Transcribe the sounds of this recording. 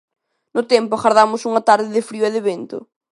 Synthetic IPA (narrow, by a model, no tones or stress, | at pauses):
nʊt̪ɛmpʊaɣaɾðamʊsuŋɐt̪aɾðɪðɪfɾioɛðɪβent̪ʊ̰